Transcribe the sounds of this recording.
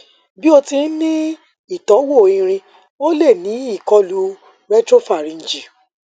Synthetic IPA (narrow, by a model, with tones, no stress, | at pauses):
bi˦o˧ti˧n̩˦nĩ˦ | i˦˨tɔ˨˦wo˦˨ĩ˧ɾ̃ĩ˧ | o˦le˦˨nĩ˨˦i˦˨kɔ˧lu˨˦ | ɾɛ˦tɾo˦fa˦˨ɾĩ˧n̩˨d͡ʒi˨